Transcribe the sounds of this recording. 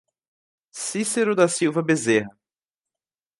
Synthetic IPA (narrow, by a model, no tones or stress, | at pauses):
siseɾʊd̪ɐsiwvɐbezeɦɐ